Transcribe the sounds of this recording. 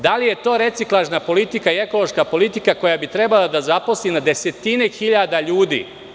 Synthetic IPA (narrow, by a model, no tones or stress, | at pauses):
d̪alije̞t̪o̞ːɾe̞t̪siklˠaʒnapo̞lit̪ikaie̞ko̞lˠo̞ʃkapo̞lit̪ikako̞jabit̪ɾe̞balˠad̪azapo̞slinad̪e̞se̞t̪ine̞xiʎad̪aʎuːd̪ḭ